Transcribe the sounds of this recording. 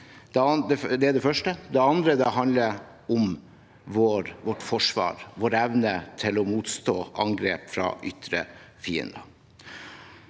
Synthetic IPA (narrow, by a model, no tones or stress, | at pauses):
d̪̥ɛd̪ɛd̪ɛæɖɛfœʂʈəd̪ɛɑnd̪ɾəd̪ɛɦɑnd̪lə | ɔm | ʋoːɾʋɔʈːfɔʂʋɑ̰ːɾʋoːɾɛʋnət̪ʰɪlɔmuːt̪st̪oːʔɑŋɡɾeːpfɾɑ̰ːʔʏt̪ɾə̰fiːə̰nd̪ɑ